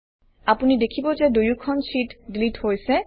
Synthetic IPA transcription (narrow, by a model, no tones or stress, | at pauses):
apunidekʰibozedojukʰɔnsitɖilithojsɛ